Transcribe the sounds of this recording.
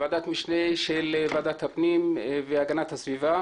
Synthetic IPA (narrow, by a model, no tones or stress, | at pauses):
vad̪at̪miʃneʃelvad̪at̪hapnimveaɡanat̪hasviva